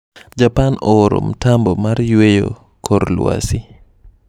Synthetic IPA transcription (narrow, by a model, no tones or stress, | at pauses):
d͡ʒapanɔɾo̰mtambɔmarjwejo̰ | kʰɔɾlwa̰si